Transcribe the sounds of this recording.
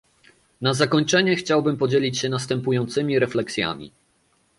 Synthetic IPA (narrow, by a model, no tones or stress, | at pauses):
nazakɔɲt͡ʂɛɲɛxt͡ɕawbɘmpɔd͡ʑelʲit͡ɕɕɛnast̪ɛmpujɔnt̪sɘmʲiɾɛflɛksʲja̰mʲḭ